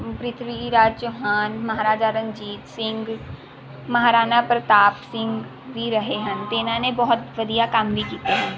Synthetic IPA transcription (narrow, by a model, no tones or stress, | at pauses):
pɾɪt̪ʰɾiːɾaːd͡ʒt͡ʃoɦaːnmɐɦaːɾaːd͡ʒaɾənd͡ʒiːt̪sɪ̃ŋɡ | mɐɦaːɾaːnapɾət̪aːpsɪ̃ŋɡ | bʱiɾəɦeɦənt̪enãːnẽbɔɦʊt̪ʋəd̪ijakɐmbʱikiːt̪eɦə̃n